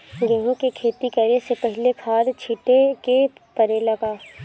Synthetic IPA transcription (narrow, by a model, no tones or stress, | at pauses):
ɡẽːɦõkekʰeːt̪ikɐɾesepɛɦɪlekʰaːd̪t͡ʃʰɪʈekepɐɾelɐɡaː